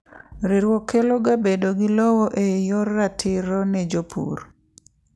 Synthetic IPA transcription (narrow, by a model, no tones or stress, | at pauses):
ɾiɾwɔkːeloɡabedoɡɪlowoʔejɔrːatʰɪɾɔnɛd͡ʒopʰṵɾ